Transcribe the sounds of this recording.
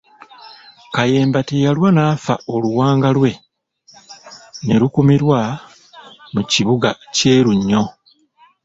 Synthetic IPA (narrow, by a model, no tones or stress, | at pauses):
kaje̞ːmbatejalwanaːfa̰oluwaːŋɡalwe̞ | ne̞ɾukumiɾwa | muciβuɡace̞ːɾuɲːo̞